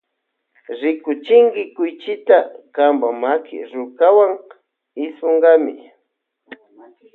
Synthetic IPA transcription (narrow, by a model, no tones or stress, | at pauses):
ɾɪkʊt͡ʃɪŋkɪkʊjt͡ʃɪt̪akambamakɪ̰ɾʊkawaŋ | ɪsoɴɢɑmɪ̰